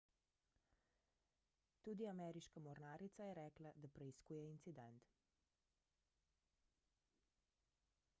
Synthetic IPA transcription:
t̪uːd̪iamɛɾiʃkamɔɾnaːɾit̪sajɛɾɛːklad̪apɾɛiskuːjɛint̪sid̪ɛnt̪

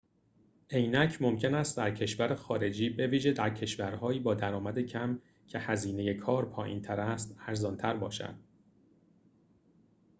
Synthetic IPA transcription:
ʔe̞jnæcʰmo̞mcʰe̞næst̪̚d̪æɾcʰe̞ʃvæɾexɒːɾe̞d͡ʒiːbe̞viːʒe̞d̪æɾcʰe̞ʃvæɾɦɒːjiːbɒːd̪æɾɒːmæd̪e̞cʰæm | cʰe̞hæziːne̞je̞kʰɒːɾpʰɒ̰ːjḭnt̪ʰæɾæst̪æɾzɒːnt̪ʰæɾbɒ̰ːʃæ̰nd̪̥

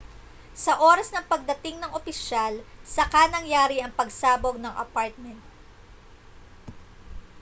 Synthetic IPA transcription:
sɐʔoːɾɐsnɐŋpɐɡ̚d̪ɐt̪ɪŋnɐŋʔopɪʃalsɐkanɐŋjaːɾiʔɐŋpɐɡsaːboɡ̚nɐŋʔɐ̰paɹt̪̚mɛnt̪̚

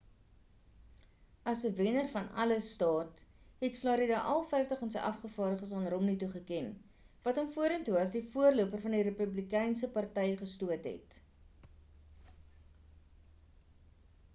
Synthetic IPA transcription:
ʔɐsəvenərfɐnɐ̰ləstɑːtɦɛtflɑɾidɑʔɐlˠfɛjftəχɐnsəjʔɐfχəfɑːɾdəχəsɑːnrɔmnituχəkɛn | vɐtɔmfuəɾəntuɐsdifuərluəpərfɐndiɾepʉblikɛjnsəpɐrtɛjəχəstuətɦɛ̰t

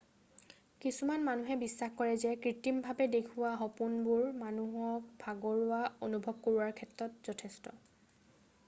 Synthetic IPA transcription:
kisumanmanuɦɛbisːaxkɔɹɛzɛkɹitimbʱabɛdekʰʊwaɦɔpunbʊɹmanuɦɔk̚bʱaɡɔɹʊaonubʱɔb̚koɹuwaɹkʰɛtɹɔtz̥ɔtʰɛstɔ̰

